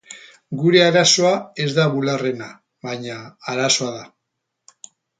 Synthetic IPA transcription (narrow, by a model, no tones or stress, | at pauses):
ɡuɾe̞aɾaso̞ae̞zd̪aβulare̞na | βaɲaːɾaso̞aða